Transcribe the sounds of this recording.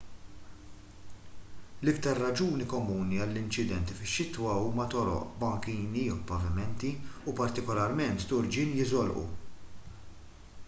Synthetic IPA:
lɪkt̪ɐɾːɐd͡ʒuːnikɔmuːniɐlːɪnt͡ʃɪd̪ɛnt̪ifɪʃːɪt̪wɐuːmɐt̪ɔɾɔ̰ʔbɐŋkiːniɔwpɐvɪmɛnt̪iupɐɾt̪ɪkɔlɐɾmɛnt̪ːʊɾd͡ʒɪnjɪzɔlʔṵ

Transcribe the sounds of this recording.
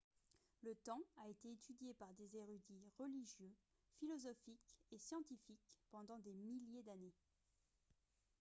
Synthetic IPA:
lət̪ɑ̃aet̪eːt̪ʰyd̪jepaʁd̪ezeʁyd̪iʁəliʒjø | filɔzɔfikesjɑ̃t̪ifikpɑ̃d̪ɑ̃d̪emiljed̪ane

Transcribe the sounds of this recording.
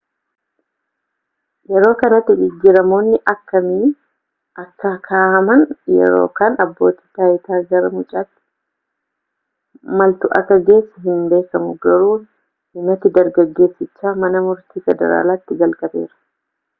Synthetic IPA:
jɛɾo̞ːkɐnɐt̪ːɪɡɪɡːɪɾɐmo̞ːnːɪʔɐkːɐmi | ʔɐkːɐkʰaːhɐmɐnjɛ̰ɾo̞̰ːkaːnɐbːo̞ːt̪i̥ːt̪aːjɪt̪aːɡɐɾɐmʊt͡ʃʼaːt̪ːɪ̥ | mɐlt̪ʊʔɐ̰ɡɐɡe̞ːsːɐɦɪnbe̞ːkːɐmʊɡɐɾuː | hɪnɐt̪ːɪd̪ɐɾɡɐɡːe̞ːsːɪt͡ʃːaːmɐnɐmʊɾt̪iːfɛd̪ɐ̰ɾa̰ːlaːt̪ːɪɡɐlkʼɐbe̞̰ːɾɐ̥

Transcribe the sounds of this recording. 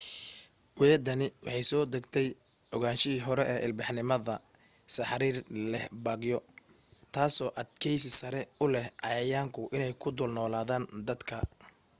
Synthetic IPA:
wɛɐd̪ɐnɪwɑ̰ħɑjsɔːd̪ɐɡt̪ʰɛj | ʔɔɣaːnʃɪiːɦɔɾɛʔɛːʔɪlbɑħnɪmɐðɐ | sɐħɾiːrlɛhbɐːɡjɔ | t̪ʰaːsɔːʔɐd̪kʰɛjsɪsɐɾɛʊlɛhʔɑjɐjaːŋkʰʊʔɪnɛjkʰʊd̪ʊlnɔːlaːðaːnd̪ɐd̪kʰɐ̰

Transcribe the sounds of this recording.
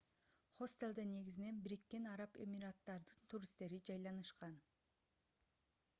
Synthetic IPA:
χost̪elˠd̪ene̞ɡizine̞nbiɾikːe̞nɑɾɑpe̞̰miɾat̪ːɑɾd̪ɯnt̪ʰuɾist̪e̞ɾid͡ʒɑjlˠɑnɯʃqɑn

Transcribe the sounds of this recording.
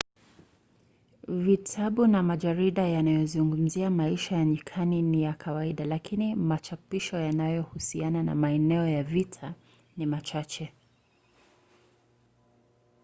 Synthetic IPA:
vitʰaɓunamaʄaɾiɗajanajɔzuŋɡum̩ziamaiʃajaɲikʰaninijakʰawaiɗalakinimat͡ʃapiʃɔjanajɔhusianana̰maɛnɛɔjavitʰa | nimat͡ʃat͡ʃɛ

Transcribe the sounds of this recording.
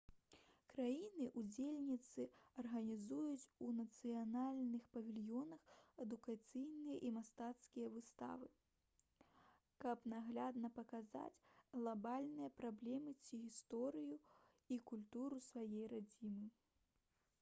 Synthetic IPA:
kɾajinɨʔud͡zʲelʲnʲit̪sɨɐrɣɐnʲizujut͡sʲunɐt̪sɨjanalʲnɨxpɐvʲilʲjɔnɐxɛd̪ukat̪sɨjnɨjɐʔimast̪at̪skʲijɐvɨst̪a̰vɨ | kɐpnaɣlʲad̪nɐpɐkaza̰t͡sʲɣlˠabalʲnɨjɐpɾablʲɛmɨt͡sʲiɣʲist̪ɔɾɨju | ikulʲt̪uɾusvajejrad͡zʲimɨ

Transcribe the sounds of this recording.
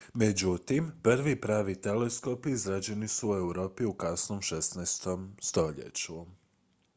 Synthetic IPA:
med͡ʑut̪impr̩ʋipɾaːʋit̪e̞le̞sko̞piizɾad͡ʑe̞nisue̞uɾo̞ːpiukasno̞mʃesnɛst̪o̞mst̪o̞ʎḛt͡ɕu

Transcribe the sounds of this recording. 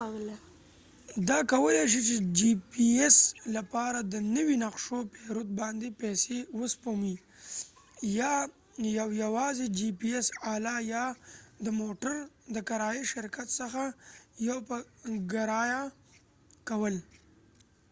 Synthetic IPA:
l | d̪ɑkawəleʃ̬it͡ʃed͡ʒipieslapɑɾad̪ənəwinaqʂopeɾut̪̚bɑnd̪epɛsewəspomi | jɑ | jawjawɑzed͡ʒipiesɑlɑjɑd̪əmoʈəɾd̪əkaɾɑjiʃɪɾkat̪səxajawpəɡaɾɑja | kawəl

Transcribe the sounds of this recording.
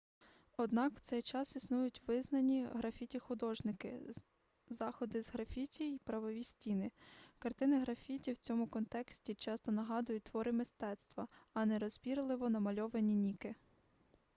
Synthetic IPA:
ɔd̪nɑkw̥t̪sɛjt͡ʃɑsisnujʊtʲʋɪznɐnʲiɦɾɐfʲitʲixʊd̪ɔʒnɪkɪ̰ | zɑxɔd̪ɪzɦɾɐfʲitʲiipɾɐʋɔʋʲisʲtʲinɪkɐrt̪ɪnɪɦɾɐfʲitʲiwt͡sʲɔmʊkɔnt̪ɛksʲtʲit͡ʃɑst̪ɔnɐɦɑd̪ʊjʊt̚ʲt̪ʋɔɾɪmɪst̪ɛt̪st̪ʋɐɐnɛɾɔzʲbʲiɾlˠɪʋɔnɐmɐlʲɔʋenʲinʲikɪ

